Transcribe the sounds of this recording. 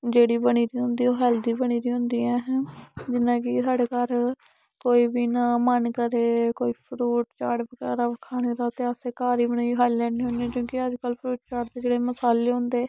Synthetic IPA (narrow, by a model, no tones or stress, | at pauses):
d͡ʒeːɽiːbəɽ̃iːɾiːɦʊ̃nd̪iːoːɦɛːld̪iːbəɽ̃iːɾiːɦʊ̃nd̪iːɛ̃ːɦd͡ʒɪnːãːkɪsaːɽeːkaːɾ | koːiːbiːnãːmənkəɾeːkoːiːpʰɾuːʈt͡ʃaːɽbəkɛːɾaːkʰaːneːd̪aːt̪eːəseːkaːɾiːbəñaːiɦaːillɛ̃ːniːɦõnd̪iãkjõːkɪəd͡ʒkəlpʰɾuːʈ̚t͡ʃaːɽd̪eːd͡ʒeːɽeːməsaːleːɦʊ̃nd̪eː